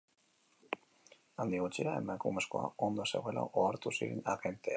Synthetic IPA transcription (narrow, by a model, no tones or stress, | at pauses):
and̪iɣut͡ʃiɾae̞makume̞sko̞a̰o̞nd̪ose̞̰ɣoela̰ʔoaɾt̪usiɾenaɣent̪ea